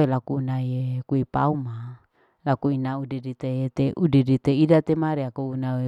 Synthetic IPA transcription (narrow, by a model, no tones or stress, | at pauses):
elakuːnaiekuipauma | lakuinaudidit̪eet̪eʔudidit̪eidat̪emaɾeakounae